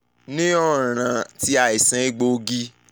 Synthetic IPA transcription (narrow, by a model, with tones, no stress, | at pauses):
nĩ˦ɔ˦˨ɾ̃ã˨ti˧˦a˨i˨sɛ̃˧i˦ɡ͡bo˧ɡi˧˦